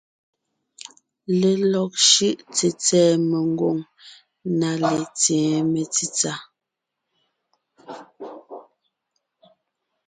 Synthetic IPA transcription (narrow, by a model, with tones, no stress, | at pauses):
le˨lɔ˨k̚ʃʉ˦ʔt͡se˨t͡sɛː˦˨me˨ŋ˦ɡo˦˨ŋ | na˨le˨t͡sjɛ̃ː˨˦me˨t͡si˦t͡sa˦˨